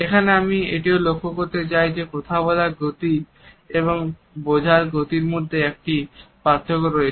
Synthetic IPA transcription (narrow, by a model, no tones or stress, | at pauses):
ekʰaneamiḛʈiolokʰːokoɾt̪et͡ɕajd͡ʑekot̪ʰabɔlaɡot̪i | eβoŋ | bod͡ʑʱaɾɡot̪iɾmod̪ʱːeek̚ʈipat̪ʰːokoɾoe